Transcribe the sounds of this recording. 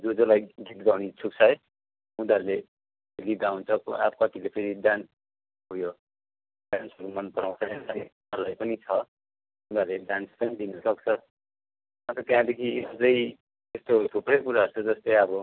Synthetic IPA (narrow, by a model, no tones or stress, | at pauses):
d͡zod͡zolajɡit̪ɡʌwnit͡sʰuk̚t͡sʰʌj | ud̪aɾule | lid̪aũnt͡sʰʌkoap̚kʌt̪ilepʰeɾiɖans | ɦujo | bansʌkomʌnpʌɾaw̃sʰʌnʌni | ʌɾulajpʌnit͡sʰʌ | ud̪aɾuleɖanspʌnid̪inʌsʌk̚t͡sʰʌ | ʌnt̪ʌt̪jãd̪ekʰisʌd͡zʌj | t̪est̪ot̪ʰupɾʌjkuɾaʌɾt͡sʰʌd͡zʌst̪ʌjʌbʌ